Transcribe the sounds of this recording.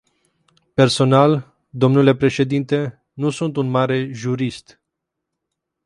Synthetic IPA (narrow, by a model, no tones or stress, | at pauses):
pe̞rso̞nal | d̪o̞mnule̞pɾe̞ʃe̞d̪int̪e̞ | nusunt̪unmaɾe̞ʒuɾist̪